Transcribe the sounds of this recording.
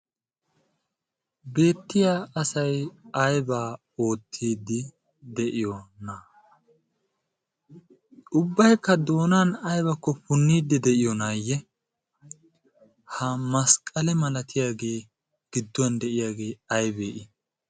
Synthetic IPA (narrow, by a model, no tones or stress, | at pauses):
be̞ːt̪ːɪjaːʔɐsɐjɐjbaː | o̞ːt̪ʰːiːd̪ːɪ | d̪ɛʔɪjɔnɐ | ʔʊbːɐjkːɐd̪o̞ːnanɐjbɐkːɔpʊnːiːd̪ːɛd̪ɛʔɪjɔnaːjːɛ | hɐmɐskʼɐlɛmɐlɐt̪ʰɪjaːɡe̞ː | ɡ̥ɪd̪ːɔɐnd̪ɛʔɪjaːɡe̞ːɐjbeːʔɪ